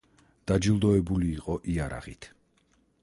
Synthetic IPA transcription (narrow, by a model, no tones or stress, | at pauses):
d̪̥ad͡ʒilˠd̪ɔɛbuliːqʼɔʔiaɾa̰ʁit̪ʰ